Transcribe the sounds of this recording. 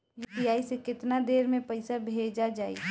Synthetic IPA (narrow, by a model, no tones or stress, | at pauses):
jbijaːisekɪt̪nad̪eːɾmẽpəɪsabʱeːd͡ʒad͡ʒaːḭ